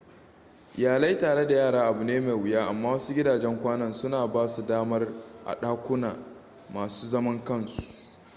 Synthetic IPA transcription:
jaː˨la˦jtaː˨ɽe˦da˨jaː˦˨ɽaː˦ʔa˨bu˨neː˦ma˨jwɪ˨jaː˦ʔa˨mːaː˦wɐ˦su˦ɡʲɪ˦daː˨d͡ʒɛ˦ŋkʷaː˦nɐ˦nsʊ˦naː˨baː˦su˨daː˦mɐ˦rʔa̰˨ɗaː˦kʷʊ˦naː˨ | maː˨suː˦zɐ˦mɐ˦ŋkɐ˦˨nsu̥˨ʔ

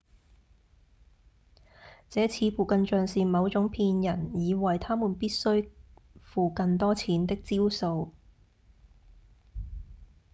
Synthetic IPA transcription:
t͡sɛː˨˥t͡sʰiː˨˧fuː˨˩kɐ˧nt͡ʃœː˨ŋsiː˨˩mɐ˨˧wt͡sʊ˨˥ŋpʰiː˧njɐ˨˩njiː˨˧wɐ˨jt̪ʰaː˥muː˨˩npiː˥t̚sɵ˥ɥfuː˨kɐ˨nt̪ɔː˥t͡sʰiː˨˥nt̪ɪ˥k̚t͡siː˥wso˧w

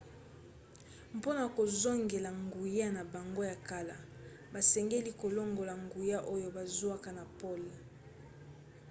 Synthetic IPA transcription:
mpo˦na˨ko˨zo˦ŋɡe˨la˨ŋɡu˨ja˦na˨ba˨ŋɡo˦ja˨ka˦la˨ | ba˨sɛ˨ŋɡe˦li˦ko˨lo˦ŋɡo˨la˨ŋɡu˨ja˦ʔo˦jo˦ba˨zu˦a˦ka˨na˨po˦˨l

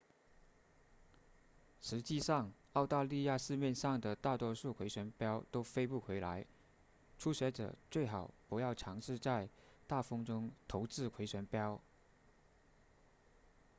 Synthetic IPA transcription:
ʂɻ̩˧˥t͡ɕi˥˧ʂɑ˥˧ŋ | ɑ˥˧ʊt̪a˥˧li˥˧ja˥˧ʂɻ̩˥˧mjɛ˥˧nʂɑ˥˩ŋd̪ə˩t̪a˥˩t̪wɔ˥ʂu˥˩kʰwe˧˥ɪɕɥɛ˧˥npjɑ˥ʊt̪o˥ʊfe˥ɪpu˥˩xʰwe˧˥ɪla˧˥ɪ | ʈ͡ʂʰu˥ɕɥɛ˧˥ʈ͡ʂɤ̰˨˩t͡swe˥˩ɪxɑ˨˩ʊpu˧˥jɑ˥˩ʊʈ͡ʂʰɑ˧˥ŋʂɻ̩˥˧t͡sa˥˧ɪt̪a˥˩fɤ˥ŋʈ͡ʂʊ˥ŋt̪ʰo˧˥ʊt͡sɹ̩˥˩kʰwe˧˥ɪɕɥɛ˧˥npjɑ˥ʊ

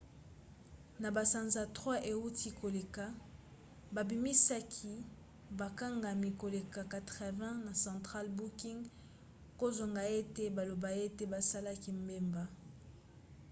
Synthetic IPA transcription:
na˨ba˨sa˨nza˨tχwa˦ʔe˨u˦tʰi˦ko˨le˨ka˨ | ba˨bi˨mi˦sa˦kʰi˨ | ba˨ka˦ŋɡa˨mi˨ko˨le˨ka˨ka˨tʁɛ˨vɛ̃˦na˨sɑ̃˨tχa˦lbu˦ki˦ŋɡ | ko˦zwa˨ŋɡa˨e˦te˦ba˨lo˨ba˨e˦te˦ba˨sa˦la˦ki˨mbe˦mba˨

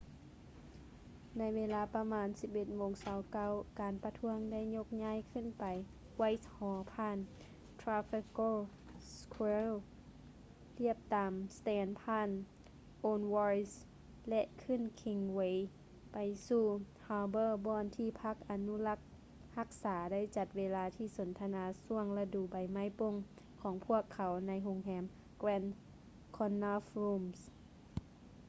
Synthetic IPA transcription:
na˧˥jʋeː˧laː˧˦pa˧maː˧˥nsi˧p̚ʔe˧t̪̚moː˨˧˦ŋsaː˨˧˦wka˧˥wkaː˨npa˧t̪ʰu˧˥əŋda˥˨jɲo˧k̚ɲaː˧˥˨jkʰɯ˧˥˨npa˨j | wa˧˩jshɔː˨˦pʰaː˧˥˨n | t̪ʰɾaː˧fi˧ko˧˥˨ | skʰwe˧l | t̪i˧˥˩əp̚t̪aː˨mst̪ɛː˨˧npʰaː˧˥˨n | ʔoː˧nwɔː˧ɹi˧s | lɛ˧ʔkʰɯ˧˥˨nkʰi˧ŋwe˧j | pa˨jsuː˧˩ | haː˧bɤː˧˨bɔː˧˨nt̪ʰiː˧˩pʰa˧˥k̚ʔa˨nu˧˥˨la˧˥k̚ | ha˧˥k̚saː˨˦da˥˨jt͡ɕa˨˧˩t̪̚weː˧laː˧t̪ʰiː˧˩so˨˦nt̪ʰa˧naː˧su˧əŋla˧duː˨˩ba˨˩jma˧˥˨jpo˧˨ŋ | kʰɔː˨˦ŋpʰu˧˥˩əkʰːa˨˦wna˧˥jɦo˧ŋɦɛː˧˥m | kwɛː˧˥n | kʰɔ˧nːa˧fɾuː˧ms

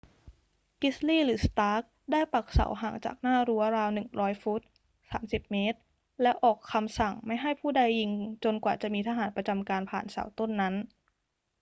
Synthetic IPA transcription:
ki˦˥sliː˥˩ɾɯː˩˦st̪aː˦˥k̚ | daː˥˩jpa˨˩k̚sa̰˩˦wɦaː˨˩˦ŋt͡ɕa̰ː˨˩k̚naː˥˩ɾu˦˥ɐɾaː˧wnɯ˨˩ŋɾɔː˦˥jfu˦˥t̪̚ | saː˩˦msi˨˩p̚meː˦˥t̪̚ | lɛ˦˥wʔɔː˨˩kʰːa˧msa˨˩ŋma˥˩jɦa˥˩jpʰuː˥˩da˧jːi˧ŋt͡ɕo˧nkwaː˨˩t͡ɕa˨˩miː˧t̪ʰa˧ɦaː˩˦npɾa˧t͡ɕa˧mkaː˧npʰaː˨˩nsa̰ː˩˦wt̪o˥˩nːa˦˥n

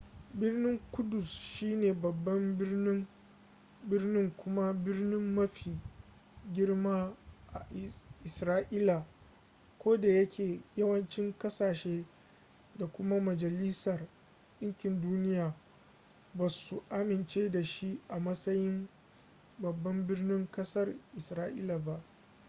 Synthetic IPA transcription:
bɪ˦rnɪ˦ŋkʷʊ˦dʊ˨sʃiː˦neː˨bɐ˨bːɐ˦mbɪ˦rnɪ˦ŋ | bɪ˦rnɪ˦ŋkʷʊ˦ma˦bɪ˦rnɪ˦mːɐ˦ɸiː˨ | ɡʲɪ˦ɽmaː˦ʔa˨ʔɪ˨sɾaː˦ʔiː˦la˨ | kʷoː˦da˨jɐ˦kʲʰeː˨jɐ˦wɐ˦nt͡ʃɪ˦ŋkɐ˦saː˨ʃeː˦ | da˨kʷʊ˦ma˦mɐ˨d͡ʒɐ˨li˦sɐ˨r | ɗɪ˦ŋkʲɪ˨nduː˦nɪ˦jaː˨ | bɐ˨su˨ʔa˦mɪ˨nt͡ʃeː˦da˨ʃi˦ʔa˨mɐ˦sɐ˦jɪ˦m | bɐ˨bːɐ˦mbɪ˦rnɪ˦ŋkɐ˦sɐ˦rʔɪ˨sɾaː˦ʔḭː˦la˨ba˦ʔ

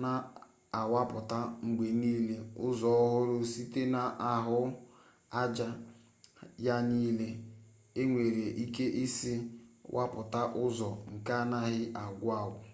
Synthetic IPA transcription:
na˦˨ | a˨wa˦pʊ˨ta˦ŋ͡m̩˨ɡ͡be˨niː˦le˦ʊ˦zɔ˨ɔ˦ɦʊ˦ɾʊ˦si˦te˦na˨ʔa˦ɦʊ˦ | a˦d͡ʒa˦ | ja˦niː˦le˦ | e˦ŋʷe˨ɾe˨ʔi˦ke˦ʔi˦si˦wʔa̰˦pʊ˨ta˦ʔʊ˦zɔ˨ŋ̩˨ka˦na˦ɦɪ˦ʔa˨ɡʷa˦˨wʊ˨

